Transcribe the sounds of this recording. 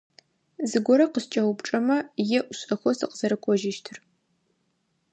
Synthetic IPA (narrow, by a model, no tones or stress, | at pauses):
zɨɡʷɔɾɐqəst͡ʃʼɐwʊpʈ͡ʂʼɐmɐjɛʔʷʊɕʼɐxʷɔsɨqz̥ɐɾɨkʷʰɔʒɪʃtʰɨr